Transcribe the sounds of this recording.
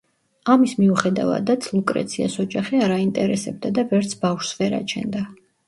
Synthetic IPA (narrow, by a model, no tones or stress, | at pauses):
amismiuχɛd̪a̰va̰d̪at̪sʰlˠukʼɾɛ̰t̪sʰiasɔd͡ʒaχiaɾaint̪ʼɛɾɛsɛb̚d̪ad̪avɛɾt̪sʰbafʃsvɛɾa̰t͡ʃʰɛ̰nd̪a